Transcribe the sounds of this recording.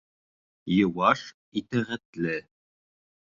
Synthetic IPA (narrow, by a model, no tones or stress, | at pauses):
jɤ̆wɑʃ | it̪æʁæt̪lɘ